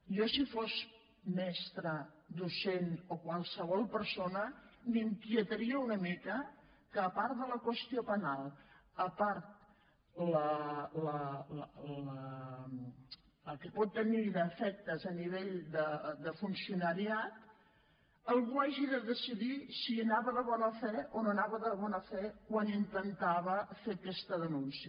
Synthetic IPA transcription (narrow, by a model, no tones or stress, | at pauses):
jɔsifoz | mɛst̪ɾəd̪usenokwalˠsəβ̞ɔlˠpəɾsonəmiŋkjət̪əɾiəunəmikə | kəːpart̪ðələkwəst̪iopənalˠəpaɾt̪ | lələ | ə | əkəpɔt̪ːəniðəfɛk̚t̪əzəniβ̞eʎd̪əd̪əfunsiunəɾiat̪ | əlˠɣuaʒiðəðəsiðisiənaβəðəβɔnəfɛononaβəðəβɔnəfɛkwanint̪ənt̪aβ̞əfekɛst̪əðənunsiə